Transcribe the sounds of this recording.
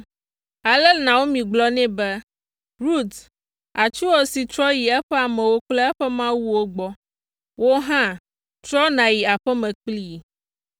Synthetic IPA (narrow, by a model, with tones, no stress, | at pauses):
a˨lɛ˦nã˨wo˦mĩ˨ɡ͡blɔ˦nɛ̃˦bɛ˦ | ɾu˦t̪ | a˨t͡ʃu˦wo˦si˨tɾɔ˦ji˨ɛ˦ɸɛ˦a˨mɛ̃˨wo˦k͡plɛ˦ɛ˦ɸɛ˦mã˦wu˦wo˦ɡ͡bɔ˦ | wo˦ɦã˦ | t͡ʃɾɔ˦nã˨ji˨a˨ɸɛ˦mɛ̃˨k͡pli˦˨